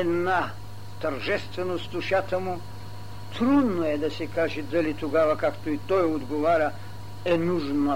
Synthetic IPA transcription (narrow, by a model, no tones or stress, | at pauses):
ɛd̪na | t̪əɾʒɛst̪vɛnost̪ʊʃat̪əmu | t̪ɾud̪noɛd̪ɐsɛkaʒɛd̪ɐlit̪oɡavɐkakt̪oit̪ɔjod̪ɡovaɾʲə | ɛnuʒnə